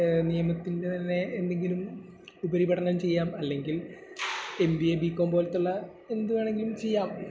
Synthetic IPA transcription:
nijɐmɐt̪ːinde̞t̪ɐnːe̞ːnd̪e̞ŋɡilum | ubɐɾibɐɽɐnɐmt͡ɕe̞jːaːmɐlːe̞ŋɡil | e̞mbijebiːkːoːmboːlt̪ːuɭːɐ | e̞nd̪umaːɳe̞ŋɡilumt͡ɕe̞jːaːm

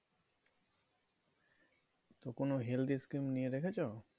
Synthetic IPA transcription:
t̪okonoɦeld̪iskɾimnieɾekʰet͡ɕʰo

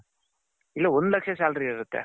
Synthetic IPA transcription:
ilːɐond̪lɐkʂɐsaːlɖɾiɡɐɪɾɯt̪ːḛ

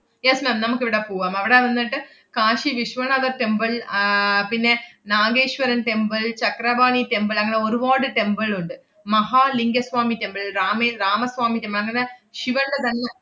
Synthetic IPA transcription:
jesmeːmnɐmukːiʋiɽɐpoːʋaːmɐʋiɽeʋɐnːiʈːɨ | kaːʂiʋiʂʋɐɳɐðɐʈembɐɭ | pinːe̞naːɡeːʂʋɐɾɐnʈembɐɭt͡ɕɐkrɐbaːɳiʈembɐɭɐŋːɐne̞oɾuʋoːɽɨʈe̞mbɐɭuɳɖɨ | mɐɦaːliŋɡɐsʋaːmitembɐɭraːmeraːmɐsʋaːmitembɐɭɐŋːɐne̞ɕiʋɐɳɖɐt̪ɐnːe

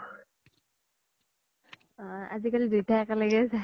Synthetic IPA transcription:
a̰zikalidujtʰaɛkalaɡɛsa

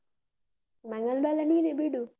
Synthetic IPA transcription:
maŋalbalaninebiɖu

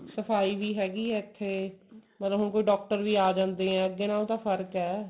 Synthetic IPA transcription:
səfaːiːbʱiːɦɛːɡiːɛɪt̪ʰːeːmət̪ləbɦʊnkoːiːɖɔːk̚ʈəɾbʱiːaːd͡ʒãːnd̪eɦɛ̃ːəɡːenãːt̪afʰəɾkɦɛː

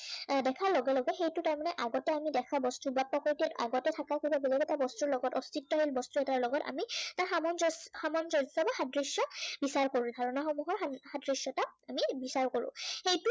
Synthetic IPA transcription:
dɛkʰaɹlɔɡɛlɔɡɛxejtutaɹmanɛʔaɡɔtɛamidɛkʰabɔstubapɔkoɹitia̰ɡɔtɛtʰakakoibabilɛɡɛtabɔstuɹlɔɡɔtɔstitːɔɦilbɔstuɛtaɹlɔɡɔta̰mitaɹxamɔnzxamɔnzɔsɔbaxadɹisjɔbisaɹkoɹũdʱaɹɔnaxɔmuɦɔɹahadɹisɔtaamibisaɹkoɹʊ̰̃xejtu

